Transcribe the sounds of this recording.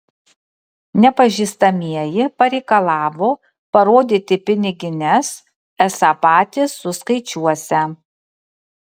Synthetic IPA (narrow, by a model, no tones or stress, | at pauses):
nʲɛpɐʒʲiːst̪ɐmʲiɛjɪpɐɾʲɛɪkɐlˠɑːʋoː | pɐɾoːd̪ʲit̪ʲɪpʲɪnʲɪɡʲɪnʲɛs | ɛsɑpɑːt̪ʲɪsːʊskɐɪt͡ʃʲuɔsʲɛ